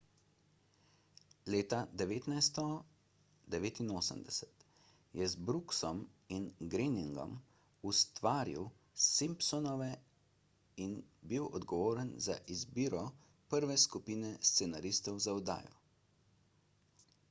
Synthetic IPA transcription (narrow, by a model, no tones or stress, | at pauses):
leːt̪ad̪ɛʋeːt̪najst̪ɔ | d̪ɛʋeːt̪inoːsə̰md̪ɛsɛ̥t̪ | jɛzbɾuksɔminɡɾiniŋɡɔ̰m | ust̪ʋaːɾḭw | simpsɔnɔʋɛ | inbiwɔ̰d̪ɡɔʋoːɾənza̰ʔizbiːɾɔ | pəɾʋɛskupiːnɛst̪sɛnaɾiːst̪ɔwzaɔd̪a̰ːjɔ̰